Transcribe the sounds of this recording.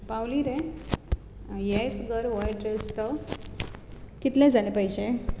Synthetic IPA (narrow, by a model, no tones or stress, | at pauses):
pawliɾe | jejt͡sɡəɾʋɔjʈɾest̪ə | kit̪lɛ̃d͡zanepəjd͡ʑe